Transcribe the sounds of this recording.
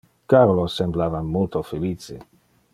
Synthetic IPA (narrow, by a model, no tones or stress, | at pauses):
kaɾolosemblavamːult̪ofeliːt͡sḭ